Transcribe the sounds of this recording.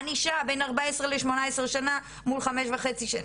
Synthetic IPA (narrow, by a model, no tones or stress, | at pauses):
niʃabe̞jnaʁbaesʁeleʃmo̞naesʃana | mulχameʃvaχet͡siʃan